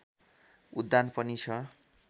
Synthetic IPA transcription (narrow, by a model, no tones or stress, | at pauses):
ud̪ːanpʌnit͡sʰʌ